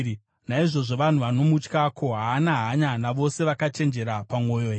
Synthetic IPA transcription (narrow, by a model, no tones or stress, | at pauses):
naiʐo̞ʐo̞ʋan̤uʋano̞mut͡ʃkakʰo̞ɦaːnaɦaɲanaʋo̞se̞ʋakat͡ʃe̞nd͡ʒe̞ɾapamo̞ːjoe